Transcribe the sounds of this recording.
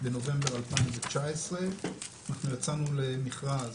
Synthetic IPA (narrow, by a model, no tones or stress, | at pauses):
be̞no̞ve̞mbeʁalpaĩɱvet͡ʃaesʁeanaχnujat͡sanulemiχʁaz